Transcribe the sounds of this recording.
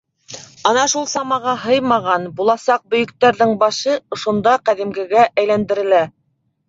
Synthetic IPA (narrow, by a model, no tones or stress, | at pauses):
ɑnɑʃulˠsɑmɑʁɑɦɤjmɑʁɑnbulˠɑsɑq̚bɵ̆jɵ̆k̚t̪æɾðɘŋbɑʃɤŏʃŏnd̪ɑqæðimɡɘ̆ɡæʔæjlænd̪ɘ̆ɾɘ̆læ